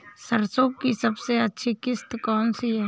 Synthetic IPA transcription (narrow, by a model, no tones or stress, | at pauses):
səɾsoːkkisɐbseɐtːʃʰikɪst̪kɔːnsiɦɛ